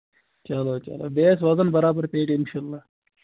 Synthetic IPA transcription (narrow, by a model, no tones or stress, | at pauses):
t͡ʃɐloːt͡ʃɐ̰lo̰ːbeːsʋɐzənbɐɾaːbəɾpeːʈɪnʃaːlːaː